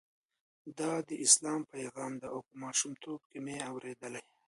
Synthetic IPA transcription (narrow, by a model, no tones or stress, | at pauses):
d̪ɑd̪əʔɪslɑːmpajɣɑːmd̪aʔawkəmɑʃumt̪ʰob̚kimeawɾed̪əlaj